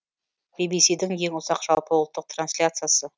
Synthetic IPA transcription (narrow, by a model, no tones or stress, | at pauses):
bibijsid̪ɪŋje̞ŋʊzɑqʒ̥ɑlˠpəwlˠt̪ːəq̚t̪ransʲlʲat̪sɨjasə